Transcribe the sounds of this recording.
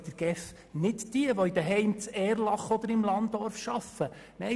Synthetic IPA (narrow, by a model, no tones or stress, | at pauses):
d̪̥əɾɡ̥ɛf | nɪtd̥iəʋɔid̥̪əɦɛɪmt͡sɛːɾlɑχɔd̪əɾɪmlɑndɔɾfʃɑfə | mɛ